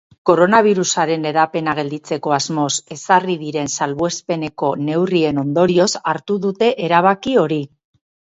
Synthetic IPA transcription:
ko̞ɾo̞naβ̞iɾusaɾe̞ne̞ɾape̞naɣ̞e̞ld̪it͡se̞ko̞azmo̞se̞sariðiɾe̞nsalβoe̞spe̞ne̞ko̞ne̞wrie̞no̞nd̪o̞ɾio̞saɾt̪uðut̪e̞ʔeɾaβ̞akio̞ɾi

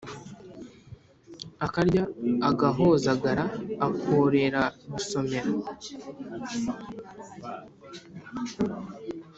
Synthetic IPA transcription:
akaɾɟaːɡaɦo̞zaɡaɾaːkʰoɾe̞ɾaɡuso̞me̞ɾa

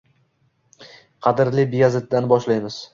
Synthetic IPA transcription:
qʰɑd̪ɪɾlɪbɪjazɪd̪̚ːanbɒʃlajmɪz̥

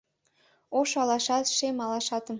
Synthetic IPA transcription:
oʃɑlɑʃɑt̪ʃemɑlɑʃɑt̪ə̆m

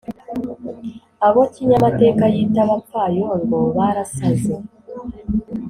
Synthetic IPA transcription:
aβo̞ciɲamate̞ːkajitaβafajoɾoβaɾasaze

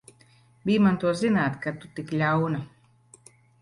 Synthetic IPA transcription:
biːmant̪uɔzinaːt̪kat̪ut̪iklʲawna

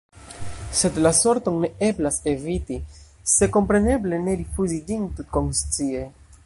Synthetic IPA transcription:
se̞dlaso̞ɾto̞ŋne̞e̞blase̞viti | se̞ko̞mpɾe̞ne̞ble̞ne̞ɾifuzid͡ʒintutko̞ŋst͡sie̞

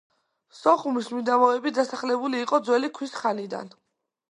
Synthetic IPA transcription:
sɔχumismid̪amɔɛbid̪asaχlɛbuliːqʼɔd̪zwɛlikʰwisχanid̪a̰n

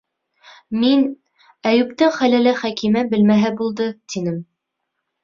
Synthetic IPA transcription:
min | æjʉp̚t̪ɘŋχælælæχækimæbɘ̆lmæɦæbulˠd̪ɤt̪inɘm

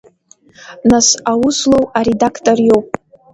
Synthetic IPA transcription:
nasawʊslowaɾedakʰtʼorjo̞wpʼ

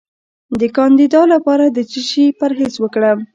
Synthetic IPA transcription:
d̪əkɑnd̪id̪ɑlapɑɾad̪ət͡ʃiʃipaɾɦezwəkɽəm

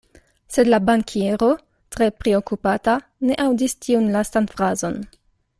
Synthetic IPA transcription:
se̞dlabaŋkʰie̞ɾo̞ | tɾe̞pɾeo̞kupata | ne̞ʔawdistʰiunlastanfɾazo̞n

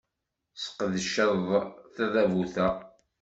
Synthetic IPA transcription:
sə̥qːðəʃəðˤθæðævuθæ

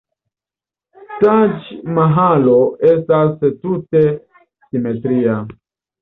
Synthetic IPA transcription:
tad͡ʒmaɦaloestastute | simetɾia

